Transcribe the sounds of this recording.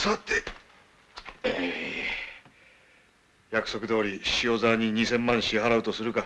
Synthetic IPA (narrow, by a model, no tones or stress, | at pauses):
sat̪ːe | jakɯ̟so̞kɯ̟d̪o̞ːɾʲiɕio̞ːzaːɲ̟iɲ̟isẽ̞mːãɰ̃ɕiɦaɾaɯ̟t̪o̞sɨɾɯ̟ka